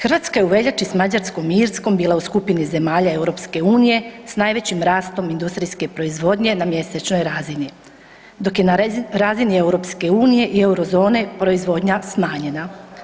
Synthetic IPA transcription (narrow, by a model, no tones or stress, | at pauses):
xr̩ʋaːt̪skaje̞uʋe̞ʎat͡ʃismad͡ʑaɾsko̞miiɾsko̞mbiːlˠauskupinize̞maːʎae̞wɾopske̞uːnije̞snaːjʋe̞t͡ɕimɾaːst̪o̞mind̪ust̪ɾijske̞pɾo̞izʋo̞d̪ɲe̞namje̞set͡ʃno̞jɾazini | d̪o̞kje̞naɾazinie̞wɾo̞ːpske̞uːnije̞ʔie̞uɾo̞zo̞ːne̞pɾo̞izʋo̞ːd̪ɲasmaːɲe̞na